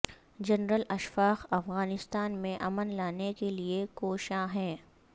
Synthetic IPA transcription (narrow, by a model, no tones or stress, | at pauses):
d͡ʒɐnɾəlɐʃfaːxɐfɣaːnɪst̪aːnmẽʔɐmənlaːnekeliekoːʃãɦɛ̃ː